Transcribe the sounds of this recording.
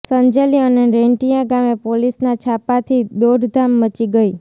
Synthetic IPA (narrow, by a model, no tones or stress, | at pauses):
səɲd͡ʒeliəneɾeɳʈijãɡamepolisnat͡ʃʰapat̪ʰid̪oɖʱd̪ʱamːət͡ʃiɡəi